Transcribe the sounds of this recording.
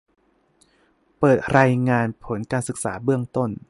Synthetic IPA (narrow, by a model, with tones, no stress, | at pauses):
pɤː˨˩t̪̚ɾaː˧jŋaː˧npʰo˩˦nkaː˧nsɯ˨˩k̚sa̰ː˩˦bɯ˥˩əŋt̪o˥˩n